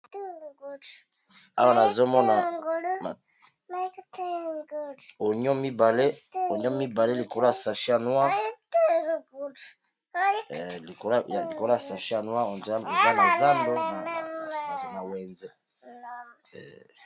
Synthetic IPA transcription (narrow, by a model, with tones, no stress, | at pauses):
tɡu˦t | a̰˦wa˦na˨zo˦mɔ˦na˨ŋɡo˨l | ma˨tɡo˨ɲɔ˦mi˦ba˨le˦o˨ɲɔ˦mi˦ba˨le˦li˨ko˨la˨sa˨ʃi˦a˨nwa˦tlɡu˨d | li˨ko˨˦ja˨i˨ko˨la˦a˨sa˨ʃi˦a˨nwa˦o˨nza˦a˨za˦na˨za˦ndo˦na˨˦˨ | zna˨wɛ˨nzɛ˦ | ɛ̰˨